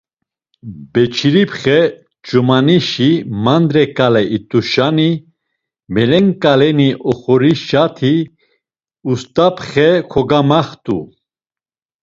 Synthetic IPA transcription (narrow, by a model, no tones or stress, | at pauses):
bɛt͡ʃʰiɾipχɛ | t͡ʃumaniʃimand̪ɾɛkʼalɛʔit̪ʼuʃani | mɛlɛŋkʼalɛniʔɔχɔɾiʃat̪ʰi | ust̪ʼapʰχɛkʰɔɡamaχt̪ʼṵ